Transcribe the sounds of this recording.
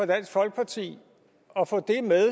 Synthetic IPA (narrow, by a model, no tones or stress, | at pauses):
ɒd̥æn̰sɡ̥fɒ̽lɡ̥ə̥pʰɑ̈t͡sʰḭː | ɒ̽fɔ̰̽ːd̥e̝meðˠ